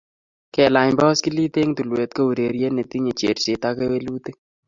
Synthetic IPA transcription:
kɛ˨la˨jɲbɔ˦ski˦li˦t̪e˦ŋt̪u˨lwe˨t̪̚ko˦u˨ɾe˨ɾje˦ne˨t̪i˦ɲe˨t͡ʃe˨ɾse˨t̪a˦ke˦we˦lu˦t̪e˦

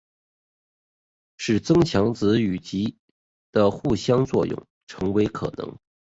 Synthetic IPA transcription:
ʂɻ̩˨˩t͡sɤ˥ŋt͡ɕʰjɑ˧˥ŋt͡sɹ̩˧˥y˨˩t͡ɕi˧˥ | d̪̥ə˧xu˥˩ɕjɑ˥ŋt͡swɔ̰˥˧jʊ̰˥˩ŋ | ʈ͡ʂʰɤ˧˥ŋwe˧˥ɪkʰɤ̰˨˩nɤ̰˧˥ŋ

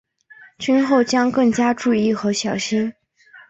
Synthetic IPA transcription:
t͡ɕʰy˥nxo˥˩ʊt͡ɕjɑ˥ŋkɤ˥˩ŋt͡ɕja˥ʈ͡ʂu˥˧i˥˩xɤ˧˥ɕjɑ˨˩ʊɕi˥n

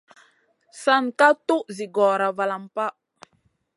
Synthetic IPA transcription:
sa˦nka˦tu˦ʔzi˨ɡɔ˨ɾa˨va˨la˨mpa˦

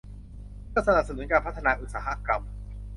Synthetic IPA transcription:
kɯː˥˩sa˧na˨˩p̚sa˧nu˩˦nkaː˧npʰa˥t̪ʰːa˧naː˧ʔu˨˩t̪̚saː˩˦ɦa̰˦˥ka˧m

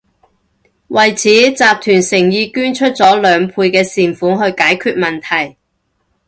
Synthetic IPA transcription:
wɐ˨jt͡sʰiː˨˥t͡saː˨p̚t̪ʰyː˨˩nsɪ˨˩ŋjiː˧kyː˥nt͡ʃʰɵ˥t̚t͡sɔː˨˥lœː˨˧ŋpʰuː˧jkɛː˧siː˨˩nfuː˨˥ŋɦɵ˧ɥkaː˨˥jkʰyː˧t̚mɐ˨nt̪ʰɐ˨˩j

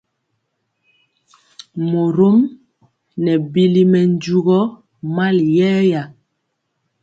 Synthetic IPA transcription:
mo˨ɾo˦m | nɛ˨bi˦li˦mɛ˨n˦d͡ʒu˦ɣɔ˦ | ma˦ljɛː˦ja˨

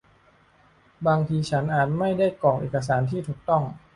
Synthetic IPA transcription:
baː˧ŋt̪ʰiː˧t͡ɕʰa˦˥nʔaː˨˩t̪̚ma˥˩jda˥˩jkɔː˨˩ŋʔḛː˨˩ka˧s̬aː˩˦nt̪ʰiː˥˩t̪ʰuː˨˩k̚t̪ɔ˥˩ŋ

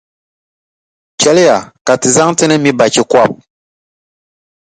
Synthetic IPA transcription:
kɛ˨˦lɨ˦ja˨ka˨tɨ˨za˦ŋtɨ˦nɨ˦mi˦ba˨t͡ʃi˨kwa˦˨p̚

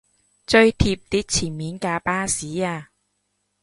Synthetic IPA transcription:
t͡sɵ˧ɥt̪ʰiː˧p̚t̪iː˨˥t̚t͡sʰiː˨˩nmiː˨˥nkaː˧paː˥siː˨˥aː˧

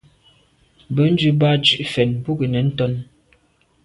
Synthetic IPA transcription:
bə˨˦n̩˦d͡ʒʉ˦ba˦t͡ʃʉ˨ʔfɛ˨nbu˦ɡə˨nɛ˨˦n̩˦tɔ˦n

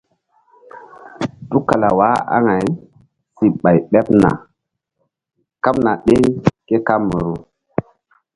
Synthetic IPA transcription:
tu˦ka˨la˨wa˦a̰˦ŋa˨j | si˨ɓa˨jɓe˦pna̰˨ | ka˦pna˨ɗe˦ŋke˦ka˦mːə˨ɾu˦

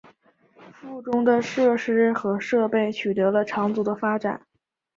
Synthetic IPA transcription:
fu˥˩ʈ͡ʂʊ˥ŋd̪ə˨ʂɤ˥˩ʂɻ̩˥xɤ˧˥ʂɤ˥˧pe˥˩ɪt͡ɕʰy˨˩t̪ɤ˧˥lə˧ʈ͡ʂʰɑ˧˥ŋt͡su˨˧˩d̪ə˧fa˥ʈ͡ʂa̰˨˩˦n

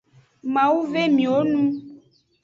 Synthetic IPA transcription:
mã˨wu˦ve˦mĩ˨wo˦nũ˦

